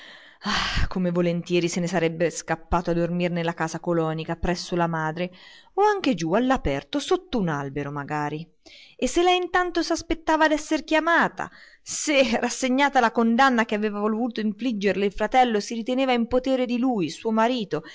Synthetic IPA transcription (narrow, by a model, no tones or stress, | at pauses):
akomevolent̪jɛːɾisenesaɾɛbːeskapːaːt̪oad̪ormirnelːakaːsakolɔːnikapɾɛsːolamaːd̪ɾe | oaŋk̟ed͡ʒualːapɛrt̪osot̪ːounalbeɾomaɡaːɾi | esːelːaint̪ant̪osaspet̪ːaːvad̪ɛsːerkjamaːt̪a̰ | serasːeɲːaːt̪alakond̪anːak̟eaveːvavolvuːt̪oiɱflid͡ʒːerleilfɾat̪ɛlːosiɾit̪eneːvaimpot̪eːɾed̪ilujsuːomaɾiːt̪o